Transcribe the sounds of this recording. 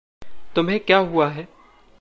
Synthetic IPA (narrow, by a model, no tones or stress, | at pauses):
t̪ʊmɦẽkjaːɦuaɦɛː